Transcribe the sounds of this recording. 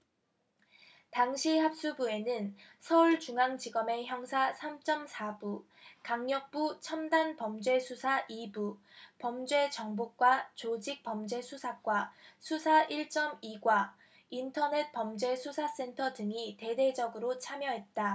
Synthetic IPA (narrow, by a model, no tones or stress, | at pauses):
taŋɕʰihap̚s͈ubue̞nɯnsʰʌuɭt͡ɕuŋaŋd͡ʑiɡʌme̞çjʌŋsʰasʰamt͡ɕ͈ʌmsʰabu | kaŋɲʌk̚p͈ut͡ɕʰʌmdanpʌmd͡ʑwe̞sʰusʰaʔibupʌmd͡ʑwe̞t͡ɕʌŋbok̚k͈wat͡ɕod͡ʑik̚p͈ʌmd͡ʑe̞sʰusʰak͈wasʰusʰaʔiɭt͡ɕ͈ʌmiɡwa | intʰʌne̞t̚p͈ʌmd͡ʑwe̞sʰusʰas͈e̞ntʰʌdɯŋite̞de̞d͡ʑʌɡɯɾot͡ɕʰamjʌɦe̞t̚t͈a